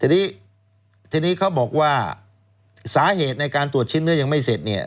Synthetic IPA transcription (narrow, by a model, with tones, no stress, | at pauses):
t̪ʰiː˧niː˦˥ | t̪ʰiː˧niː˦˥kʰa˦˥wbɔː˨˩k̚waː˥˩ | saː˩˦ɦeː˨˩t̪̚na˧jkaː˧nt̪ɾu˨˩ət͡ɕʰe˥˩nːɯ˦˥˩ɐja˧ŋma˥˩jse˨˩t̪̚ni˦˥˩ɐ